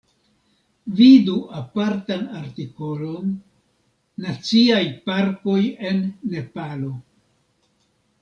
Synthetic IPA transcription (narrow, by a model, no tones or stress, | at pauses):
viduapaɾtanaɾtiko̞lo̞n | at͡siajpaɾko̞je̞nːe̞palo̞